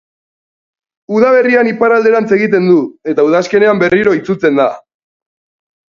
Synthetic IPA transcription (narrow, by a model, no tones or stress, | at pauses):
uðaβe̞rianipaɾald̪e̞ɾant͡se̞ɣit̪e̞nd̪ue̞t̪auðaske̞ne̞ambe̞riɾo̞it͡sut͡se̞nd̪a